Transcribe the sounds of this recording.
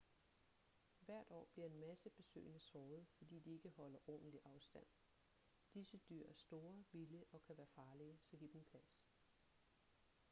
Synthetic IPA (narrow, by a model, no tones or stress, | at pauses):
ʋæɐ̰d̥ɒ̰ːb̥liɐe̝nmæsəb̥e̝sø̰ːɪnəsɒːʊð̩ˠfɒ̽d̥ḭːd̥ie̝ɡ̥əhɒ̽l̰ɐʔɔnn̩liʔɑ̈ʊsd̥æn̰ | d̥isəd̥yɐ̰æɐsd̥o̝ːɐʋiljəʔɒ̽kʰæʋæːɐfɑ̈ːliəsɐɡ̥ib̥n̩pʰlæs